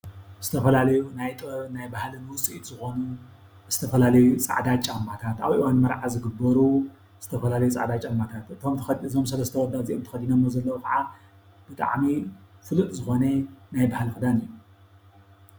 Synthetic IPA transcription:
z̥ɨt̪ʰɐfɐlalɐjunajt̪ʼnajbahlɨnwʊt͡sʼiit̪z̥ɨxo̞nu | z̥ɨt̪ʰɐfɐlalɐjut͡sʼa̰ʕd̪at͡ʃʼamːat̪ʰat̪a̰βʔiwanmɐɾʕazɨɡɨbːɐɾu | z̥ɨt̪ʰɐfɐlalɐjut͡sʼa̰ʕd̪at͡ʃʼamːat̪ʰat̪ɨt̪ʰo̞mt̪ʰɐɨzomsɐlɐst̪ʰɐwɔd̪ːaziʔomt̪ʰɨ̥xɐd̪inɐmːozɐlːɐwukʰʼaʕa | b̥ɨt̪ʼa̰ʕmifɨlut̪ʼzɨxo̞nɐnajbahlxɨd̪anɨjːu

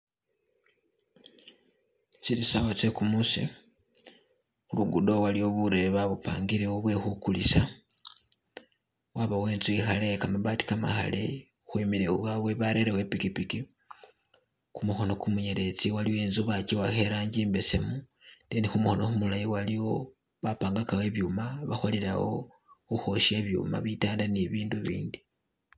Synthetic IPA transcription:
t͡siɾisawot͡sekumusḛ | uluɡudowalijoβuɾeβaβupa̰ːŋɡiɾewoβwe̞xukulisa | waβaweːnzuixalekamaβati̥kama̰xa̰le | xwimiɾeuwaweβaɾe̞ɾewepikipiki | kumuxo̞no̞kumuɲeɾe̞t͡siwaliwoenzuβaciwaxeɾaːɲɟiːmbe̞se̞mu | denixumuxo̞no̞xumulajiwaliwo̞ | βapaːŋɡakawe̞βjumaβaxoliɾa̰wo̞̰ | xuxo̞ʃe̞βjṵma̰βitaːndaniβiːnduβḭːndi

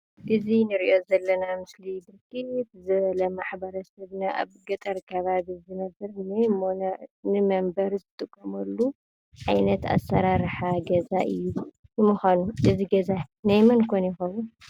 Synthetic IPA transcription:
ʔɨzinɨɾiʔo̞zɐlːɐnamɨslibɨɾkʰɨt̪zɨβɐlɐmaħbɐɾɐsɐβnaʔa̰βɡɐt̪ʼɐɾkʰɐβaβizɨnɐbɐɾnɐjmonɐnɨmɐmbɐɾzɨt̪ʼɨkʼːɐmɐlːu | ʕajnɐt̪a̰sːɐɾaɾħaɡɐzaʔɨjːu | jɨmuxanuʔɨziɡɐzanajmɐnkʰonjɪxɐβu

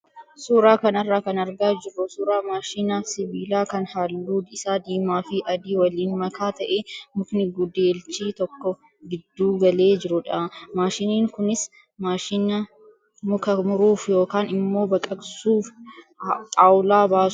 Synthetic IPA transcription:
suːɾaːkɐnɐrːaːkɐnɐɾɡaːd͡ʒɪrːʊsuːɾaːmaːʃiːnɐsɪbiːlaːkɐnhaːlːuːd̪ɪsaːd̪iːmaːfɪʔɐd̪iːwɐliːnmɐkʰaːt̪ɐʔemʊknɪɡʊd̪eːlt͡ʃiːt̪ɔkːɔ | ɡɪd̪ːuːɡɐle̞ːd͡ʒɪɾʊᶑɐmaːʃɪniːŋkʊnɪs | maːʃiːnɐ | mʊkɐmʊɾuːfjo̞ːkaːnɪmːo̞ːbɐkʼɐɡsuːf | t̪ʼaːwlaːbaːs

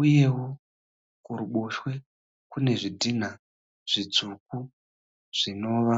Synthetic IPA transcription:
uje̞wo̞ | kuɾuɓoʃwe̞ | kune̞ʐidin̤a | ʐ̥id͡zuk̚u | ʐ̥ino̞ːʋa

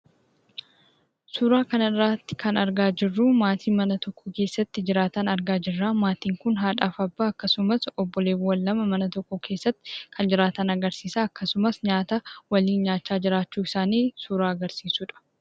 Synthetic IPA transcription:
suːɾaːkɐnɐrːaːt̪ːɪ̥kʰɐnɐɾɡaːd͡ʒɪrːuːmaːt̪ʰiːmɐnɐt̪ɔkʰːɔke̞ːsːɐt̪ːɪd͡ʒɪɾaːt̪ɐnɐɾɡaːd͡ʒɪrːaːmaːt̪iːŋkʊnɦaːᶑaːfɐbːaːɐkːɐsʊmɐsɔbːɔle̞ːwɐlːɐmɐmɐnɐt̪ɔkːɔkʰe̞ːsːɐt̪ːɪ̥kʰɐnd͡ʒɪɾaːt̪ɐnɐɡɐɾsiːsaːɐkːɐsʊmɐsɲaːt̪ɐwɐliːnɲaːt͡ʃːaːd͡ʒɪɾaːt͡ʃːuːɪsaːniːsuːɾaːɐɡɐɾsiːsuːᶑɐ̥

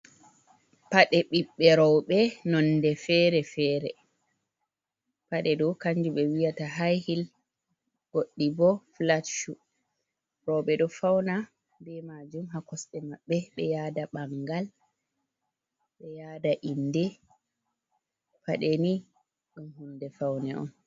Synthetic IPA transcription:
paɗɛɓiɓːɛɾɔwɓɛnɔndɛfɛɾɛfɛːɾɛ̰ | paɗɛdɔkaɲd͡ʒuɓɛwijataɦajhil | ɡ̥oɗːibɔflatʃu | ɾɔwɓɛɗɔfawna | bɛmad͡ʒumɦakɔsɗɛmaɓːɛɓɛjadaɓaŋɡal | ɓɛjaːdaʔindɛ | paɗɛni | ɗumhundɛfawnɛʔɔ̰n

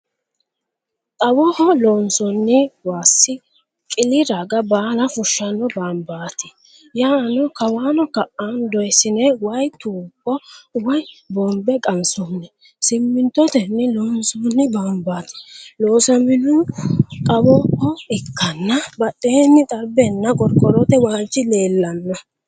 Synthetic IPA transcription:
t̪ʼɐwɔhɔlɔːnsɔnːɪwaːsɪ | kʼɪlɪɾaɡɐbaːlɐfʊʃːɐnɔbaːmbaːt̪ɪ̥ | jaːnɔkɐwaːnɔkɐʔand̪ɔjsːɪnɛwɐjt̪uːpːɔwɐjbɔmbɛkʼɐnsunːɛ | sɪmːɪnt̪ːɔt̪ɛnːɪloːnsunːɪbaːmbaːt̪ɪ̥loːsɐmɪnukʼɐbɔkːɔɪkːɐnːɐbɐɗːeːnːɪt̪ʼɐbɛnːɐkʼɔɾkʼːɔɾɔt̪ɛwaːnt͡ʃːɪle̞ːlːɐnːɔ

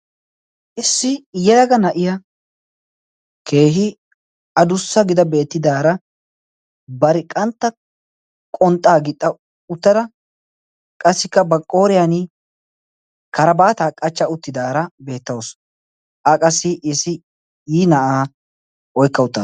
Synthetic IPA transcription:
ʔɪsːɪjɛjɐɡɐnɐʔɪjɐ | kʰe̞ːɦɪ | ɐd̪ʊsːɐɡɪd̪ɐbe̞ːt̪ːɪd̪aːɾɐ | bɐɾɪkʼɐnt̪ːɐ | kʼɔnt̪ʼːaːɡɪt̪ʼːɐ | ʊt̪ːɐɾɐ | kʼɐsːɪkːɐbɐkʼːo̞ːɾɪjanɪ | kɐɾɐbaːt̪aːkʼɐt͡ʃːɐʊt̪ːɪd̪aːɾɐbe̞ːt̪ːɐwos | ʔɐkʼɐsːɪʔɪsːɪ | jiːnɐʔaː | ɔjkːɐʊt̪ːɐ

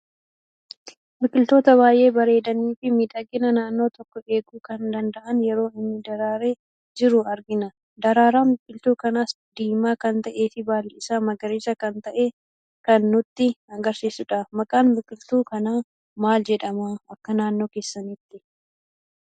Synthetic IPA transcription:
mɪkʼɪlt̪o̞ːt̪ɐβaːjʔe̞ːbɐɾe̞ːd̪ɐniːfɪmiːᶑ̪ɐɡɪnɐnaːnːo̞ːt̪ɔkːɔe̞ːɡuːkɐnd̪ɐnd̪ɐʔɐnjɛɾo̞ːɪnːɪd̪ɐɾaːɾe̞ː | d͡ʒɪɾʊɐɾɡɪnɐ | d̪ɐɾaːɾaːmɪkʼɪlt̪uːkɐnaːs | d̪iːmaːkɐnt̪ɐʔe̞ːfɪbaːlɪɪsaːmɐɡɐɾeːsɐkɐnt̪ɐʔeː | kɐnːʊt̪ːɪɐɡɐɾsiːsʊᶑamɐkʼaːnmɪkʼɪlt̪uːkɐnaː | maːld͡ʒɛᶑɐmaːɐkːɐnaːnːo̞ːke̞ːsːɐniːt̪ːɪ

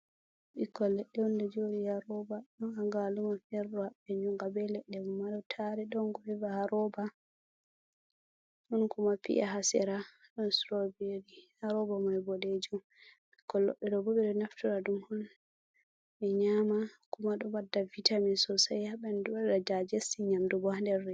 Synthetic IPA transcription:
ɓikːɔlɛɗːɛɔndɛd͡ʒoɾihaɾɔbaɗɔnhaŋɡalumafɛɾdɔhaɓɛd͡ʒumɡabɛlɛɗːɛumːadɔtʰaɾɛɗɔnɡɔhɛvahaɾɔba | hɔnkumapḭʔaɦasɛ̰ɾaɗɔnsɾobeɾihaɾɔbamɔɛbɔded͡ʒum | kɔlɔ̰ɓːɛɗɔbɔbɛɗɔnaftuɾadumhɔn | ɓɛɲamakumaɗɔbadːavitamisɔsajhaɓɛndubaɗɗad͡ʒad͡ʒesiɲamdɔbɔhandɛɾːɛ

